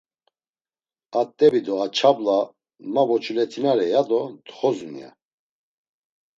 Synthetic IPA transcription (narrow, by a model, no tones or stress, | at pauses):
at̪ʼːɛbid̪ɔat͡ʃʰabla | mavɔt͡ʃʰulɛt̪ʰinaɾɛjad̪ɔd̪χɔzunḭa̰